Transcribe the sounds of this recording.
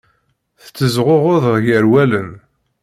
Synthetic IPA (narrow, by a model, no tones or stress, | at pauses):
θt͡sːəzʁoʁʊðʁʝəɾwælən